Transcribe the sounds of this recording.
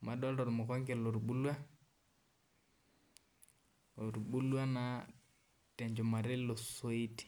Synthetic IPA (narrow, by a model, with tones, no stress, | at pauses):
ma˨dɔ˦ldɔ˨ɾmɔ˨kɔ˦ŋɡɛ˨lo˨ɾɓu˦lwa˦ | o˨ɾɓu˦lwa˦na˨ | tɛ˨ɲd͡ʒɔ˨ma˨ɾɪ˦lo˨so˦i˦ti̥˨